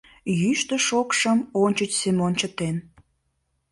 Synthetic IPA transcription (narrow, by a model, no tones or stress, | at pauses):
jyʃt̪ə̆ʃokʃəmonʲt͡ɕət͡ɕsemonʲt͡ɕət̪en